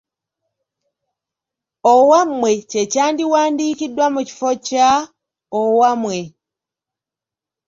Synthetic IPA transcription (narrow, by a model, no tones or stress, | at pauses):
owamwe̞cecaːndiwaːndiːkidːwamuci̥foca | owamwe̞